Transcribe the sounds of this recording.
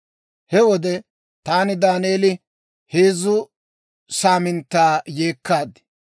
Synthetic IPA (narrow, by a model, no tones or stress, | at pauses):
hɛwɔd̪ɛ | t̪aːnɪd̪aːneːlɪ | heːzːʊ | saːmɪnt̪ːaːje̞ːkːaːd̪ɪ